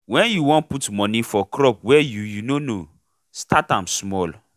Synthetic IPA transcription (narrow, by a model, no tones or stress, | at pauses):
wɛ̃njuwɔ̃nputmɔnĩfɔkʰɾɔp̚wɛjujunono | stʰatãmsmɔl